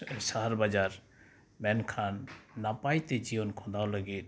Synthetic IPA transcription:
ʃaɦaɾbad͡ʒaɾ | mɛnkʰanːapajt̪ed͡ʒibonkʰɔ̃d̪awləɡe

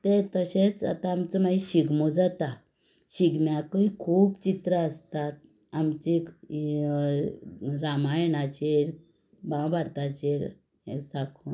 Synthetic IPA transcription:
t̪et̪əɕet͡sa̰t̪ãːmt͡səmaiɕiɡmod͡zat̪a | ɕiɡmjakəkʰuːpt͡ɕit̪ɾəəst̪at̪̚ | amt͡ɕi | ɾamajenat͡ɕeɾ | babʱaɾt̪at͡ɕeɾ | sakʰuːn

